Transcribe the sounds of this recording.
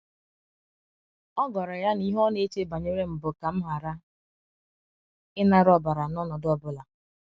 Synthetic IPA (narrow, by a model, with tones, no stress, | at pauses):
ɔ˦ɡɔ˨ɾɔ˨ja˦ni˦ɦɔ˦ne˦t͡ʃe˦ba˨ɲe˦ɾe˦m̩˨bʊ˨ka˨m̩˦ɦa˨ɾa˦ | ɪ˦na˨ɾɔ˦ba˨ɾa˨nɔ˦nɔ˨dɔ˦bʊ˦la˨